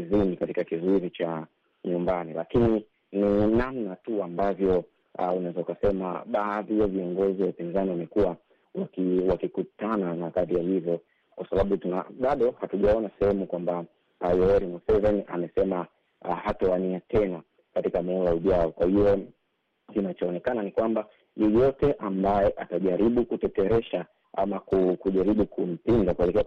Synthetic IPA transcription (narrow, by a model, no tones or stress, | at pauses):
zinikatikakizɔizit͡ʃa | ɲumbanilakini | ninamnatuambavjɔ | unazɔkasɛma̰ɓaːðijaviɔŋɡɔziwaupinzaniwamɛkuwa | wakiwakikutananakaðijahivjɔ | kwasaɓaɓutunaɓaɗɔhatuʄaɔnasɛhɛmukwamba | jɔɛɾimusɛvɛniʔa̰mɛsɛma | hatɔaniatɛna | katikamɔlauʄaɔkwahiɔ | kinat͡ʃɔːnɛkananikwamba | jɛjɔtɛʔambajɛʔataʄaɾiɓukutɛtɛɾɛʃa | a̰makukuʄaɾiɓukʰum̩pindakuɛlɛkɛa